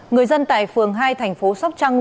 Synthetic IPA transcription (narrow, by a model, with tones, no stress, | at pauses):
ŋɨ˨˩əjzə˧nt̪a̰ː˧˨jfɨ˨˩əŋɦaː˧jt̪ʰɛ˨˩jŋ̟fo˨˦sa˦˥wk͡p̚t͡ɕa˧ŋ